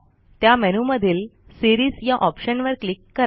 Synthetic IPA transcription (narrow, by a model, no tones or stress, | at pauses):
t̪jamɛnuməd̪ʱiːl | siɾiːzjaʔɔpɕənʋəɾklikːəɾ